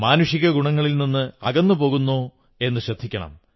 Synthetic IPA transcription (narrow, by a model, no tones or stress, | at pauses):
maːnuɕiɣɐɡuɳɐŋːɐɭilninːɨɐɣɐnːupo̞ːɣunːoː | e̞nːɨɕrɐd̪ʱːikʲːɐɳɐ̰m